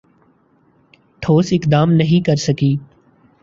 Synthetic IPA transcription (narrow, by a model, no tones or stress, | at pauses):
ʈ̪ʰoːsɪkd̪aːmnəɦĩːkəɾsəkiː